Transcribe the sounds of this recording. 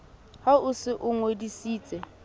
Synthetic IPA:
haʊsɪʔʊŋwedisiːt͡sʼɛ

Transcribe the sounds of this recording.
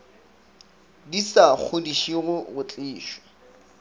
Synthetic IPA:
disak͡xʰodiʃiɣʊɣʊt͡ɬʼɪːʃɔ̥

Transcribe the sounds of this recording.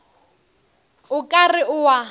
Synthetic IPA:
ʊkʼarɪʔʊwa

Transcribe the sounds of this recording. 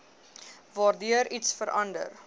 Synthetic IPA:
vɑːrdyəɾitsfəɾʔɐndə̰r

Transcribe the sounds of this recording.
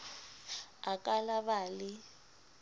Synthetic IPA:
akʼalaβaːlɪ

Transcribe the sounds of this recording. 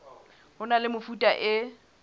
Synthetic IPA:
hʊnalɪmʊfutʼaʔɪ

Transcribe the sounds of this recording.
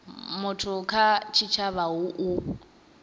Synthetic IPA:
mʊtʰʊkʰat͡ʃʰit͡ʃʰaβaɦʊʔu

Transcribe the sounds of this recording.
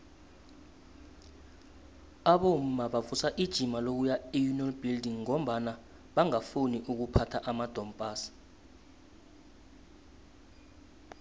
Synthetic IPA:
aɓom̩maɓavusaʔid̥ʒ̥ʱimalok̬ujaijunɔlbʱildiŋːom̩ɓana | ɓaŋafuniʔuk̬upʰatʰaʔamad̥ʱɔmpʼaːsi̥

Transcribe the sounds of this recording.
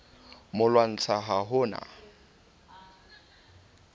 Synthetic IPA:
mʊlwan̩t͡sʰaɦaɦʊːna̰

